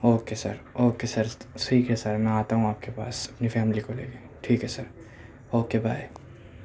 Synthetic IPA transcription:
oːkesɐ̰ɾoːkesɐɾsiːkɦɛsɐɾmɛ̃aːt̪aɦũaːp̚kepaːsɐpnifɛːmlikolḛːɡe | ʈʰiːkɦɛsɐɾ | oːkebʱaːj

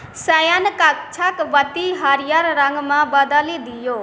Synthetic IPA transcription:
sajankakt͡ʃʰakʋət̪iɦaɾijaɾɾəŋɡmãbad̪aled̪ijo

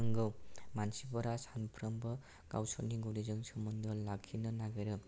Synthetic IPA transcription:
ɯŋɡɯwmansibɔɾasanpʰɾʌmbɯ | ɡ̥a̰wsɔɾniɡuɾizɯŋsɯmɯndɯlakʰːinɯnaɡajɾɯ

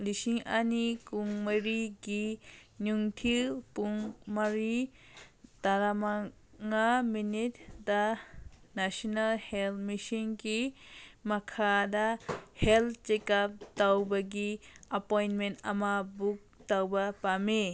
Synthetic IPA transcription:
lisiŋa̰nikuŋmajɾiɡinuŋtʰipuŋmaɾi | d̥aɾama | ŋaminitda | nasɔnalhelmisiŋɡimakʰadaheltt͡ʃekap̚tawbaɡiɐpojnmenta̰mabuk̚tawbapame

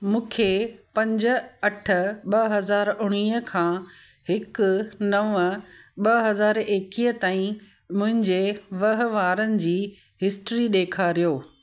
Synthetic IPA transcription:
mũːkʰepɐ̃ɲd͡ʑə̆ɐʈʰə̆ɓɐɦɐzaːɾʊɽ̃iːəkʰãː | hɪknɐʋəɓɐɦɐzaːɾeːkiːət̪aːĩ | mʊ̃ɦɪ̃ɲd͡ʑeʋɐɦ̆ʋaːɾənɪ̆d͡ʑiː | ɦɪsʈɾiɗeːkʰaɾijoː

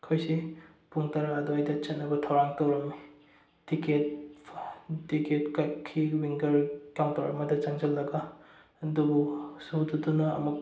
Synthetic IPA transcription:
kʰojsi | puŋtɐɾadoajdɐt͡ʃɐtnːɐbɐtʰawɾaŋtɐwɾɐmi | tiket̚ | tiket̚kakʰːiwiŋɡɐɾkawntawɾɐmɐdɐt͡ʃaŋd͡ʒɐlːɐɡɐ | dubusududunɐ̰ːmuk̚

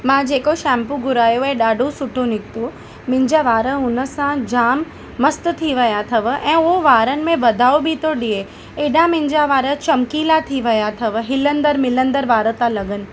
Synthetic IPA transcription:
mãd͡ʒeːkoʃɛ̃ːmpũɡʊɾaːjoɛ̃ɗaːɖosʊʈʰonɪkt̪o | mɪ̃ɲd͡ʒaʋaːɾəʊnəsãd͡ʒaːmː | əst̪t̪ʰiʋɐjat̪ʰɐʋʔɛ̃ːoʋaːɾənɪ̆mẽʋɐd̪ʱaːobʱit̪oɗie | eːɖãmɪ̃ɲd͡ʒaʋaːɾət͡ʃɐmkiːlat̪ʰiʋɐjat̪ʰɐʋɦɪlə̃nd̪əɾmɪlə̃nd̪əɾʋaːɾət̪alɐɡənɪ̆

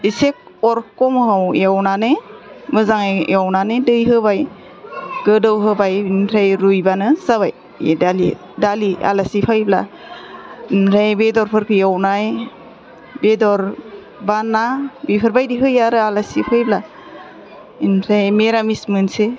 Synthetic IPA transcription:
isek̚ | ɔɾkɔmɦawjawnanɯ | mɯzaŋajawnanɯdɯjɦɯbaj | ɡ̥ɯdɯwɦɯbajinɾʰajɾujbanɯsabaj̰ | dalḭ | dalia̰lasipʰajbla̰ | inɾajbedɔɾpʰɯɾkʰɯjawnaj | bedɔɾ | banabipʰɯɾbajdiɦɯjaɾɯalasipʰajbla | inɾajmeɾamismɯnse

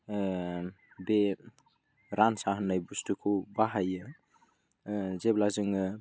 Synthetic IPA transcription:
be | ɾansaɦənajbustukʰubaɦajə | zeblazɯŋə

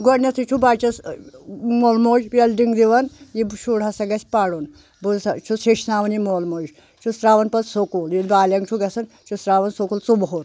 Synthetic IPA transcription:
ɡonʲɐt̪ʰit͡ʃʰubaːt͡ʃɐs | moːlmoːʒpɐlɖiŋɡd̪iʋɐnjiʃʰuɽɐsɐɡɐsʲpaːɽun | bust͡ʃʰuseʃnaːʋɐnjimoːlmoːd͡ʒʲ | t͡ʃʰusɾaːʋɐnpɐtsokuljid̪baːlʲɐŋɡt͡ʃʰuɡɐsɐn | t͡ʃʰusɾaːʋɐnsokult͡subɦoɾ

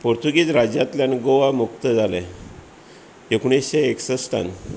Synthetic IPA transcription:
poɾt̪uɡiːt͡sɾad͡ʑat̪ljanɡoʋamuk̚t̪əd͡zʱalɛ̃ | ekuɳisɕeeksəsʈa̰n

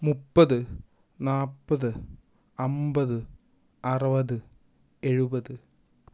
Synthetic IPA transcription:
mupːɐðɨ | naːpːɐðɨ | ɐmbɐðɨ | ɐrɐʋɐðɨ | e̞ɻubɐðɨ

